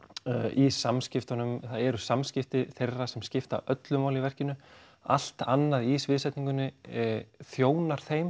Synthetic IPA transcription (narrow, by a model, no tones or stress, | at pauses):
ʔisamscɪft̪anʏmθaðɛɾʏsamscɪft̪ɪθejrːasɛmscɪft̪a̰ʔœt̪lʏmawlɪivɛr̥cɪnːʏ | a̰l̥t̪anːaðisvɪðsɛjt̪nĩŋkʏnːɪ | θjoːwnaɾ̥θejm